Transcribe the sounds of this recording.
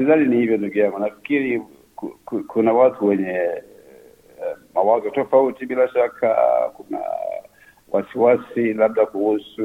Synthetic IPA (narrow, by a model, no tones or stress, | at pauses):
sizaninihivjɔnduɡiaŋɡunafi̥kiɾi | kkkunawatʰuwɛɲɛ | mawazɔtɔfautiɓilaʃakʰa̰kuna̰ | wʔa̰siwasilaɓ̚ɗakuhusu